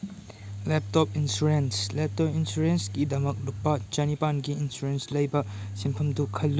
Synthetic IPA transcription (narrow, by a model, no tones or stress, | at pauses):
lep̚tɔp̚insɾuɾenslep̚tɔp̚insuɾensɡidɐmɐk̚lupːɐt͡ʃɐnipanɡiːnsɾuɾenslɐjbɐ | simpʰɐmdukʰɐlːu